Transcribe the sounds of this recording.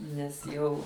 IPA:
nʲɛs ˈjɛʊ

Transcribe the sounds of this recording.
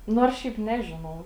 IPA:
ˈnoːrs ˈʃʲɛɪp ˈnʲæːʒʲɪnɐʊ

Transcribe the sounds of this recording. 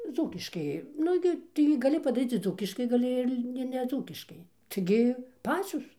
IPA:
ˈd͡zuːkʲɪʃkɐɪ ˈnʊ ɡʲɪ tɐɪɡʲɪ ɡɐˈlʲɪ pɐdɐˈrʲiːt͡s ɪr ˈd͡zuːkʲɪʃkɐɪ ɡɐˈlʲɪ ɪr lʲɪ ɪr nʲɛˈd͡zuːkʲɪʃkɐɪ tɐɪɡʲɪ ˈpɑːt͡sʲoːs

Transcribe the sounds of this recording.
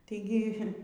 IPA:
tɐɪˈɡʲɪ

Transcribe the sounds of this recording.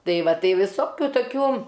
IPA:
ˈtɐɪ ˈʋɐ ˈtɐɪ ʋʲɪˈsoːkʲʊ toːˈkʲuː

